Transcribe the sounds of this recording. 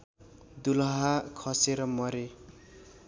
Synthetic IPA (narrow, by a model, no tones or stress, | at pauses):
d̪ulɦakʰʌseɾʌmʌɾe